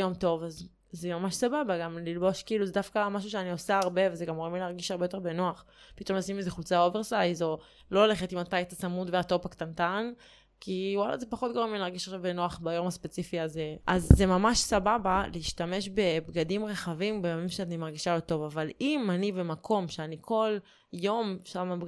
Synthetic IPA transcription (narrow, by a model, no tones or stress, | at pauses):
jo̞mto̞vaz | zemamaʃsababaɡamlilbo̞ʃkiːluzedafkamaʃ̬uʃeaniosaːʁbe̞vezeɡamoemlileaʁɡiʃaʁbeot̪̬e̞ʁbe̞noaχ | pit̪o̞masimezeχult͡sao̞ve̞ʁsajzo̞ | lo̞ole̞χetimat̪ajtat͡samutveato̞pakt̪ant̪an | kʰiwala̰zepaχo̞t̪̚ɡoemlilaʁɡiʃaχʃavbenoaχbajo̞mhaspet͡sifiazeʔazːemamaʃsababaleiʃtame̞ʃ̬be̞bɡadimʁeχavimbejamimʃeanimaʁɡiʃalot̪o̞vavalimanibe̞makʰo̞mʃeanikʰo̞l | jo̞mʃamab